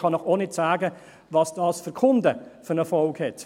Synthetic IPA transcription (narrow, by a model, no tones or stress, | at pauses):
χɑnɔχoːnɪtsaːɡə | vɑːsd̥ɑːsfəɾkʰʊndəfʏɾnəfɔlkhɛt